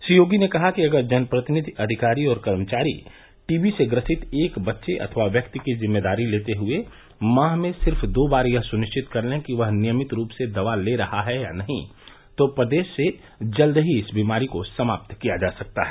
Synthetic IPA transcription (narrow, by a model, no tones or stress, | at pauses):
sijoːɡinekɐɦakiɐɡəɾd͡ʒɐnpɾət̪ɪnɪd̪ʱiʔɐd̪ʱɪkaːɾiɔːɾkɐɾmət͡ʃaːɾḭ | ʈiːbiseɡɾəsɪt̪eːkbɐtːʃeʔɐ̰t̪ʰʋaʋjɐkt̪ikizɪmːeːd̪aːɾileːt̪eɦʊe | mãːɦmẽsɪɾfd̪oːbaːɾjɐɦsʊnɪʃt͡ʃɪt̪kɐɾlẽkiʋɐɦnɪjəmɪt̪ɾuːpsed̪ɐʋaleɾɐhaɦɛja̰nɐɦḭ̃ | t̪opɾəd̪eːʃːe | d͡ʒɐld̪ɦiɪsbiːmaːɾikosɐmaːp̚t̪kijad͡ʒaːsɐk̚t̪aɦɛː